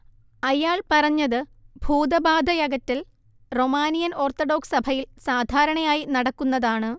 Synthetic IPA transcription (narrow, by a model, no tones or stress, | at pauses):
ɐjaːɭpɐrɐɲːɐðɨbʱuːd̪ɐbaːd̪ʱɐjɐɡɐtːɐl | ro̞maːnijɐno̞ːrt̪oɖo̞ːksɐbʱɐjilsaːd̪ʱaːɾɐɳɐjaːjinɐɽɐkːunːɐðaːɳɨ